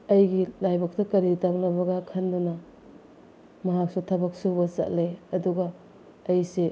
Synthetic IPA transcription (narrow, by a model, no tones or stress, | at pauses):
ɐjɡilajbɐk̚tɐkɐɾitabnɐbɐɡɐkʰɐndunɐ | mɐɦak̚sutʰɐbɐk̚subɐsɐ̰ʔ̚leɐduɡɐː | jse